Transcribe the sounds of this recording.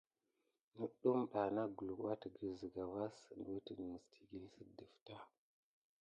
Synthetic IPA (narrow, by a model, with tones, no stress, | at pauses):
nə˨ɗu˦mɓa˨na˦ɡu˨lu˨ka˦tə˨ɡə˨zə˨ɡa˨va˦sn˨du˦tə˨mə˨stʰi̥˨ɡi˦lsə˦də˨fta˦